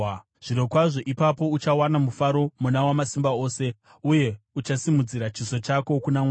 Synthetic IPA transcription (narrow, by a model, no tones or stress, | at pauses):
ʐ̥iɾo̞kwaʐo̞ʔipapo̞ut͡ʃawanamufaɾo̞munawamasimbaoːse̞ | uje̞ut͡ʃasimud͡ziɾat͡ʃiso̞t͡ʃako̞kunama